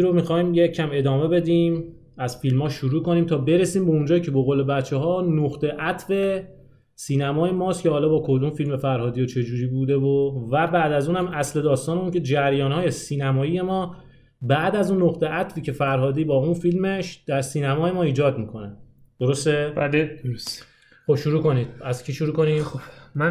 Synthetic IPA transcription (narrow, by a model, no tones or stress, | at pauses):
ɾomixɒːiːmjecʰæme̞d̪ɒːme̞be̞d̪iːm | æz̥filmɒːʃuɾuːko̞niːmt̪ʰɒːbe̞ɾe̞siːmbeund͡ʒɒːicʰe̞bo̞ɣole̞bæt̪t͡ʃʰːeɦɒːnoɣt̪ʰe̞ʔæt̪ʰfe̞ | siːnæmɒːje̞mɒːst̪cʰʲehɒːlɒːbɒːkʰo̞d̪umfilme̞fæɾɦɒːd̪ijet͡ʃʰe̞d͡ʒuːɾiːbuːd̪e̞vovæbæːd̪æzuːnhæmæsle̞d̪ɒːst̪ɒːne̞uːncʰe̞d͡ʒæɾjɒːnhɒːje̞siːnæmɒːiːje̞mɒː | bæʔd̪æzunːoɣt̪e̞ʔæt̪ʰfiːcʰe̞fæɾɦɒːd̪iːbɒːunfilme̞ʃd̪̥æɾsiːnæmɒːje̞mɒːiːd͡ʒɒːd̪̚miːkʰo̞næ | d̪̥o̞ɾo̞st̪ebled̪oɾos | xo̞bʃuɾuːko̞niːd̪̥̚æzcʰiʃuɾuːkʰonimomæ